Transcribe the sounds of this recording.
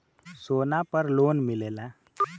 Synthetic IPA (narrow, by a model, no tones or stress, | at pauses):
sonapəɾlonmilela